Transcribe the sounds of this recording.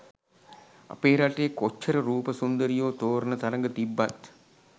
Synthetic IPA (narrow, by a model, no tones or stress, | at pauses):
ɐ̰peːɾaʈekot͡ʃʰːɐɾəɾuːpəsund̪əɾijoːt̪oːɾɐnət̪ɐɾɐŋɡət̪ibːat̪